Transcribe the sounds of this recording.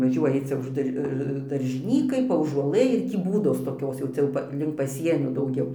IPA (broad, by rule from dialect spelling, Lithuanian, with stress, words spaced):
ʋɐˈʒʲuɔjɪ ˈt͡sʲɛ ʊʃ ˈdɐr dɐrʲʒʲɪˈnʲiːkɐɪ pɐuːʒuɔˈlˠɘ ɪr ˈtʲiː ˈbuːdoːs toːˈkʲoːs jɛʊ ˈt͡sʲɛ jɛʊ ˈpɐ lʲɪŋk pɐˈsʲiɛnʲoː dɐʊˈɡʲɛʊ